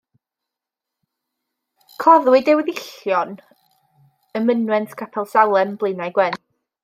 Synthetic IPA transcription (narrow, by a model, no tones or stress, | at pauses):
kʰɔðwɪdɛwɪðɪɬjɔn | əmənwɛntʰkʰapʰɛlˠsalˠɛmblˠejnajɡwɛn